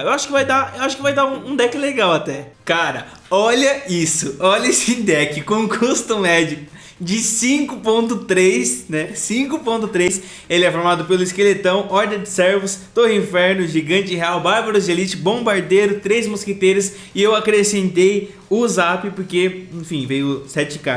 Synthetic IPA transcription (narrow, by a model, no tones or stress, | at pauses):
ewaʃʊ̥kɪvajd̪aewaʃʊ̥kɪvajd̪aũũd̪ɛkɪleɡawat̪ɛkaɾɐ̰ | ɔʎɐisʊɔʎɐesĩd̪ɛkɪkõkʰust̪ɐmɛd͡ʒʊ | d͡ʒɪsĩkʊpõnt̪ʊt̪ɾejsnɛsĩkʊpõnt̪ʊt̪ɾejs | elɪɛfoɾmad̪ʊpelʊɪskelet̪ɐ̃w̃ɔɾd̪ɐ̃d͡ʒɪsɛɾvʊst̪ohĩfɛɾnʊʒiɡɐ̃nt͡ʃɪɦeawbaɾbaɾʊzd͡ʒelit͡ʃɪbõbaɾd̪ejɾʊt̪ɾejzmosket̪eɾʊs | ɪewakɾesẽnt̪ej | ʊzapɪpoɾkeẽfĩvejʊsɛt͡ʃɪ̥ka̰ɾ